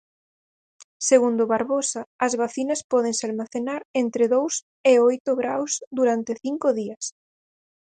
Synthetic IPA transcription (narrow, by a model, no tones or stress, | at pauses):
seɣund̪ʊβaɾβosaɐzβaθinɐspɔðeŋsɪalmaθenaɾent̪ɾɪðows | ɪojt̪ʊɣɾawsðuɾant̪ɪθiŋkʊðiɐs